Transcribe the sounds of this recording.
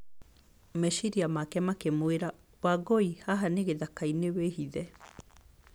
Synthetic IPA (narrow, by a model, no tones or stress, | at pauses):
meʃiɾiamakɛmakemoeɾa | waɡoihaɦaneɣeðakainewehiðɛ